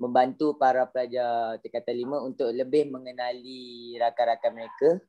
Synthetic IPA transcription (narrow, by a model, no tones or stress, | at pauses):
mə̃mbant̪upaɾapəlad͡ʒat̪əkat̪alimãunt̪ʊʔləbɪhmə̃ŋənãliɾakaɾakaməɾeka